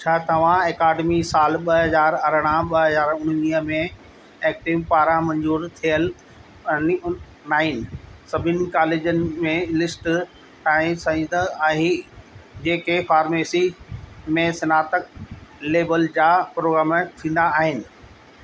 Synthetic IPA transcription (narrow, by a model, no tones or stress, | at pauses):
t͡ɕʰaːt̪ɐʋ̤ãeːkaːɖemisaːlɓɐɦɐzaːɾɐɾəɽ̃ãɓɐɦɐzaːɾʊɽ̤̃niəmẽ | ɛːk̚ʈiʋpaːɾãmɐ̃ɲd͡ʑuːɾt̪ʰijəl | n | naːɦɪnɪ̆sɐbʱɪnɪ̆kaːleːd͡ʑənɪ̆mẽlɪsʈ | ɛ̃ɪsɐĩnd̪əaːɦe | d͡ʑeːkefaːɾmeːsimẽsɐnaːt̪əkleːbəld͡ʑaːpɾoːɡɾaːmt̪ʰĩːn̆d̪aːɦɪnɪ̆